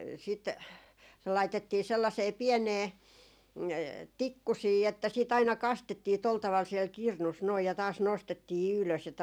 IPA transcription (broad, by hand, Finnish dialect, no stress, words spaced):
sit se lɑitetːiː selːɑseː piɛneː tikːusiː etːæ siːt ɑinɑ kɑstetːiː tol tɑʋɑl siɛl kirnus noi jɑ tɑːs nostetːiː yløs jɑ